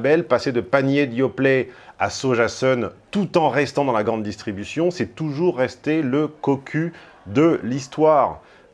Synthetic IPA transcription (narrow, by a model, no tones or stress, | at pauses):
bɛlpased̪əpanjed̪jɔplɛasoʒasɔnt̪ut̪ɑ̃ʁɛst̪ɑ̃d̪ɑ̃laɡʁɑ̃d̪ːist̪χibysjɔ̃sɛt̪uʒuʁːɛst̪eləkɔkʲʰy | d̪əlist̪waːʁ